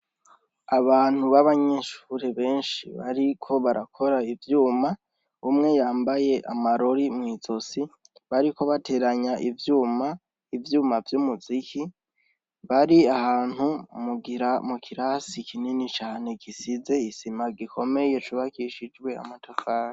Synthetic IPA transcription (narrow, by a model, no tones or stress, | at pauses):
aβaːn̥huβaβaɲe̞ʃu̥ːɾeβe̞ːnʃḭβa̰ɾikʰo̞βaɾʔakʰo̞ɾaivjuːma | umŋe̞jaːmbaje̞ʔa̰maɾo̞ɾimŋiːzo̞si | βaɾiko̞βatʰe̞ɾaɲaʔivjuːma | ivjuːmavjumuzikʰi | βaɾiahaːn̥humuɡiɾamukʰiɾasikʰininit͡ʃaːne̞ɡisize̞isimaɡikʰo̞me̞je̞t͡ʃuβakiʃid͡ʒɡwe̞a̰matʰofaːɾi